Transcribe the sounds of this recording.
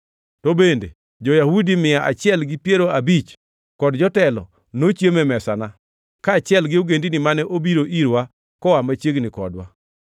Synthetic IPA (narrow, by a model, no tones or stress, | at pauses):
tobendḛ | d͡ʒojahudimɪjaʔa̰t͡ʃɪɛlɡɪpjeɾoabit͡ʃ | kɔdd͡ʒɔtɛlɔ̰ | not͡ʃjemɛmɛsana | kaːt͡ʃɪɛlɡɪoɡendinɪmanɛʔobiɾoʔiɾwa | kɔwamat͡ʃjeɡnɪkɔ̰dwa̰